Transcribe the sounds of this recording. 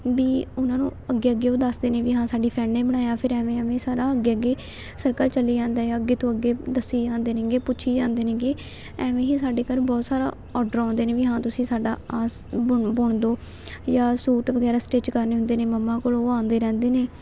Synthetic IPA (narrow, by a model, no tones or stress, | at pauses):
ʋiːʊnãːnṵ̃ːəɡeːəɡeːoːd̪əsd̪eːnẽːʋiːɦãːsaːɖiːpʰɾɛːnːẽːbəɽ̃aːjaːpʰɪɾɛːʋẽːəʋẽːsaːɾaːəɡeːəɡeː | səɾkəlt͡ʃəlːiːd͡ʒãːnd̪aːjaːəɡeːt̪õːəɡːeːd̪əsːiːd͡ʒãːnd̪eːnẽːɡeːpʊːt͡ʃʰiːd͡ʒãːnd̪eːnẽːɡeː | ɛːʋẽːɦiːsaːɖeːkəɾbɔːt̪saːɾa̰ː | ɔːɖəɾãːnd̪eːnẽːʋiːɦãːt̪ʊsĩːsaːɖaːaːs | bʊbʊɳd̪oː | jaːsuːʈʋəɡɛːɾaːsʈeːt͡ʃkəɾneːɦʊ̃nd̪eːneːməmːãːkoːloːãːnd̪eːɾɛ̃ːnd̪eːneː